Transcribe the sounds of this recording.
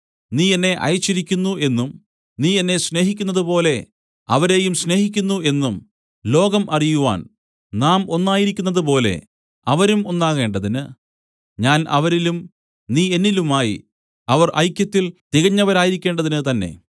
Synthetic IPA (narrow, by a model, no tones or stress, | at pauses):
niːenːe̞ʔɐ̰jt͡ɕːiɾikʲːunːue̞nːum | niːe̞nːe̞ɕne̞ːɦikʲːunːɐðupo̞ːle̞ | ɐʋɐɾe̞ːjumɕne̞ːhik̬ʲːunːue̞nːum | lo̞ːɡɐmʔɐrijuʋa̰ːn | naːmo̞nːaːjiɾikʲːunːɐðɨpo̞ːle̞̰ | ɐʋɐɾumo̞nːaːɣe̞ːɳɖɐðinɨ | ɲaːnɐ̰ʋɐɾilum | niːe̞nːilumaːjḭ | ɐʋɐrʔɐ̰jkʲjɐt̪ːilt̪iɣɐɲːɐʋɐɾaːjiɾikʲːe̞ːɳɖɐðinɨt̪ɐnːe̞̰